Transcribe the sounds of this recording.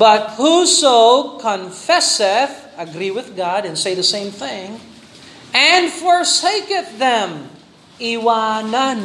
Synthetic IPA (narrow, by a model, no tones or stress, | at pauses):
b̥ʌt̚husoʊkʰə̃ɱfɛsɪθ | ɨɡɾiwɨðɡɑɾɨ̃nseɪðɨsẽɪ̃mθɪ̃ŋ | ɨ̃nfɔɹseɪkɨθðɛ̃m | iwanən